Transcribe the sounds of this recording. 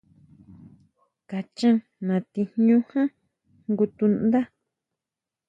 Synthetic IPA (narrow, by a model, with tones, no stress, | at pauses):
ka˨t͡ʃã˦ | nã˨t̪i˧ɲũ˦hã˦ | ŋɡu˧t̪u˧nd̪a˦